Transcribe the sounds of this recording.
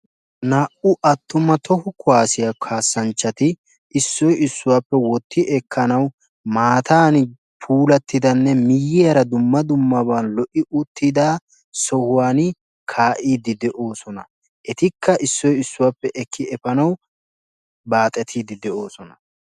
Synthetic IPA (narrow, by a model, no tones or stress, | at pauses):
naːʔʊʔɐt̪ːʊmːɐt̪ʰɔhʊkʊaːsɪjakʰaːsːɐnt͡ʃːɐt̪ɪ | ʔɪsːɔjɪsːʊwaːpːɛwɔt̪ːɪʔɛkʰːɐnɐw | maːt̪ʰaːn | pʰuːlɐt̪ːɪd̪ɐnːɛmɪjːɪjɐɾɐd̪ʊmːɐd̪ʊmːɐbɐnlɔʔɪʔʊt̪ːɪd̪aː | sɔhʊwaːn | kʰaːʔiːd̪ɪd̪ɛʔo̞ːsɔnɐ̰ | ʔɛt̪ɪkʰːɐʔɪsːɔjɪsːʊwaːpːɛʔɛkʰːɪɛfɐnɐw | baːt̪ʼɛt̪ʰiːd̪ɪd̪ɛʔo̞ːsɔnɐ